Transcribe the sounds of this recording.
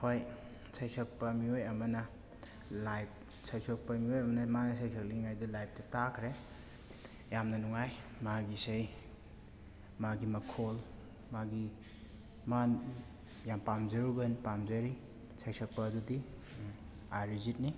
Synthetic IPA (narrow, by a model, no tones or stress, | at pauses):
hoj | sajsɔk̚pɐmiojɐmɐnɐ | lajp̚ | sajsʰok̚pɐmiojɐmɐnɐmanɐsajsʰɐk̚liŋajdulajp̚tɐtakʰɾe | jamnɐnuŋajmaɡisej | maɡimɐkʰol | maɡi | man | jampamzɐɾubɐnpamzɐɾi | sʰajsʰɔk̚pɐːdudi | aɾizit̚ni